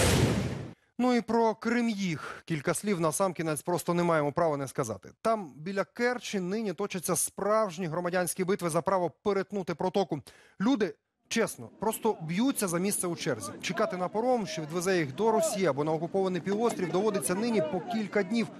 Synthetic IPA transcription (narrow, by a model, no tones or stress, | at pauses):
nuipɾɔkɾɪmjixkʲilʲkɐsʲlʲiwnɐsɑmkʲinɛt͡sʲpɾɔst̪ɔnemɑjemɔpɾɑʋɔnɛskɐzɑ̰t̪ɪ̥̰t̪ɑmbʲilʲɐkɛrt͡ʃɪnɪnʲit̪ɔt͡ʃɐt͡sʲːɐspɾɑwʒnʲiɦɾɔmɐdʲanʲsʲkʲibɪt̪ʋɪzɐpɾɑʋɔpeɾet̪nut̪ɪpɾɔt̪ɔkʊ | lʲud̪ɪ | t͡ʃɛsnɔpɾɔst̪ɔbjut͡sʲːɐzɐmʲist̪sɛut͡ʃɛrzʲit͡ʃekɑt̪ɪnɐpɔɾɔmʃt͡ʃɔʋʲid̪ʋezɛjixd̪ɔɾɔsʲijɐɐbɔnɐɔkʊpɔʋɐnɪjpʲiwɔst̪ʲɾʲiwd̪ɔʋɔd̪ɪt͡sʲːɐnɪnʲipɔkʲilʲkɐdʲnʲiw